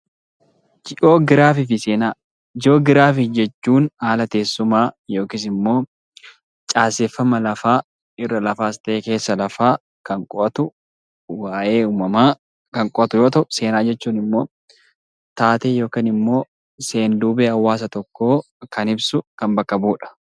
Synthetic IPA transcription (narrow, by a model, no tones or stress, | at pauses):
d͡ʒɪʔo̞ːɡɪɾaːfɪfɪseːnaː | d͡ʒo̞ːɡɪɾaːfɪd͡ʒɛt͡ʃːuːnaːlɐt̪e̞ːsːʊmaːjo̞ːkɪs̬ɪmːo̞ː | t͡ʃʼaːsefːɐmɐlɐfaː | ɪrːɐlɐfaːɪst̪ɐʔeːke̞ːsːɐlɐfaː | kɐŋkʼɔʔɐt̪ʊ | waːʔe̞ːuːmɐmaː | kɐŋkʼɔʔɐt̪ʊjo̞ːt̪ɐʔʊse̞ːnaːd͡ʒɛt͡ʃːuːnɪmːo̞̰ː | t̪aːt̪eːjo̞ːkiːnɪmːo̞ː | se̞ːnd̪uːbeːɐwːaːs̬ɐt̪ɔkːo̞ː | kɐnɪbsʊkɐmbɐkːɐbuːᶑɐ̥